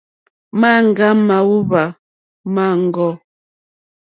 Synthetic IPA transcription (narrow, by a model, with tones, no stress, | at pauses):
ma˦˨ŋ˨ɡa˦ma˨wu˦βa˨ | ma˦˨ŋ̩˨ɡɔ˦